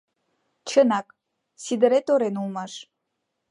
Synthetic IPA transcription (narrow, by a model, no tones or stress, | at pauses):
t͡ɕʰənɑk | sid̪ə̆ɾet̪oɾenulˠmɑʃ